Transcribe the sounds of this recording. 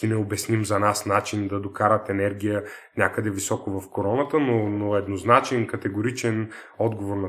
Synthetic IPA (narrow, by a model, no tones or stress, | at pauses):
inɛobɛsnimzɐnasnat͡ʃind̪ɐd̪okaɾət̪ɛnɛɾɡʲijə | nʲakəd̪ɛvisɔkovɐfkoɾɔnət̪ənonoɛd̪noznat͡ʃɛnkɐt̪ɛɡoɾit͡ʃɛn | ɔd̪ɡovoɾnɐ